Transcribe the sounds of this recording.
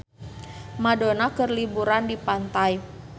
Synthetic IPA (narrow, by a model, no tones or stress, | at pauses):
madonakərlibuɾandipant̪aj